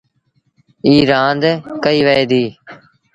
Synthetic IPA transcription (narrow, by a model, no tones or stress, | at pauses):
iːɾãːnd̪kəiːʋəeːd̪iː